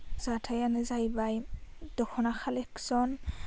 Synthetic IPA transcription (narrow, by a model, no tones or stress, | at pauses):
z̥atʰajanezajbajd̪ɔxʰɔnaxaleksɔn